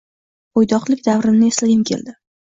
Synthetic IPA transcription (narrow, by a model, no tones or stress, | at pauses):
ojd̪ɒqlˠɪkʲd̪avɾɪnnɪeslɪɡʲɪnkʲʰe̞̰ld̪ɪ